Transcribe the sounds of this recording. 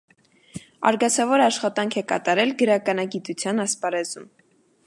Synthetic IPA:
ɑ̰ɾɡɑt͡sʰɑvɔɾəɑʃχɑt̪ɑŋkʰɛkɑ̰t̪ɑɾɛlɡəɾɑkɑnɑɡit̪ut͡sʰjɑnɑspɑɾɛzum

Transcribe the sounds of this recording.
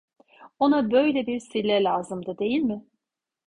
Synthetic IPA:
onabø̞jlʲɛbiɾsilʲːɛlʲaːzɯmd̪ɯd̪e̞jilʲmɪ

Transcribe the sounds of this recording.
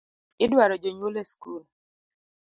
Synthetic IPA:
ɪdwaɾɔd͡ʒoɲwoleskul

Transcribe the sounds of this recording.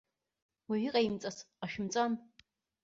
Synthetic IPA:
waɥiqʼajimt͡sʼasqaʃᶣɪmt͡sʼan

